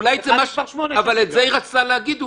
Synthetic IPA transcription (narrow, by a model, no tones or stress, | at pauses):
lajzemaʃavaletzeiʁat͡saleaɡid̪